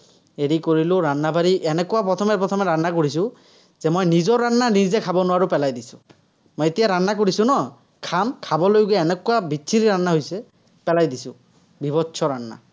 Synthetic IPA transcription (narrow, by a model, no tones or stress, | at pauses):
eɹikoɹilʊ̃ɹanːabʱaɹiʔɛnɛkʊwapɹɔt̪ʰɔmɛpɹɔt̪ʰɔmɛɹanːakoɹis̬ʊ̃ | zɛmojnizɔɹanːanizɛkʰabɔnʊwaɹupɛlajdisʊ̥̃ | mojet̪ijaɹanːak̬oɹisʊ̃nɔ | kʰamkʰabɔlojɡɛːnɛkʊwabisʰiɾiɹanːaɦojsɛ | pɛlajdisʊ̃ | bibɔtːsʰɔɹanːa̰